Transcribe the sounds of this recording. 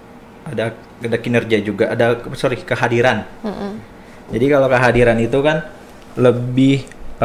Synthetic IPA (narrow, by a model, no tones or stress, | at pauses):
ada | adakinərɡiad͡ʒuɡaʔːdasoɾikəɦadiɾan | d͡ʒadikalawkəɦadiɾanit̪ukan | ləbɪh